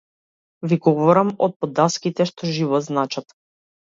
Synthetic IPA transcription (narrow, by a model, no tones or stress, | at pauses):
viɡɔvɔɾamɔ̰t̪̚pɔd̪askit̪ɛʃt̪ɔʒivɔt̪znat͡ʃat̪